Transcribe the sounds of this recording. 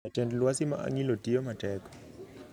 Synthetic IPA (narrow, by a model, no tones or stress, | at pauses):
atɛndlwasima̰ʔa̰ŋilotijomatɛkɔ̥